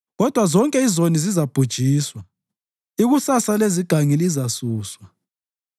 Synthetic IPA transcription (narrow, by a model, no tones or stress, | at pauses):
ɣɔd̥ʱwazɔŋkʼɛizonizizab̥ʱud̥ʒ̥ʱiːswa | iɣusasaleziɡ̥ʱaŋilizasuːswa